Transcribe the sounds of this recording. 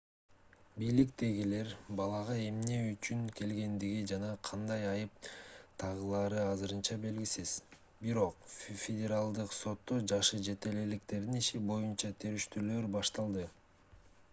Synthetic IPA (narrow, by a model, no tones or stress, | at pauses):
bijlikt̪e̞ɡile̞ɾbɑlˠɑʁɑe̞mne̞yt͡ʃyŋke̞lɡe̞nd̪iɡid͡ʒɑnɑqʰɑnd̪ɑjɑjɯp̚t̪ʰɑʁɯlˠɑːɾɯɑzɯɾɯnt͡ʃɑbe̞lɡisiz̥ | biɾo̞qfʲedʲeɾalˠd̪ɯqso̞t̪ːo̞d͡ʒɑʃɯd͡ʒe̞t̪e̞lelik̚t̪e̞ɾd̪iniʃibo̞junt͡ʃɑt̪ʰe̞ɾyʃt̪yløɾbɑʃt̪ɑlˠd̪ɯ